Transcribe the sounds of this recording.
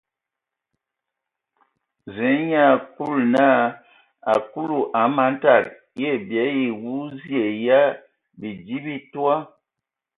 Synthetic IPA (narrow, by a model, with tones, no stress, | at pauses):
zɛ˨˦ɲa˦˨ku˦˨lna˦˨ | a˨ku˦lu˨ʔa˨˦ma˨˦n˦ta˦˨k̚ | je˦˨bjɛ˨˦ji˨wu˦zji˦e˨ja˦ | bi˨di˦bi˦twa˦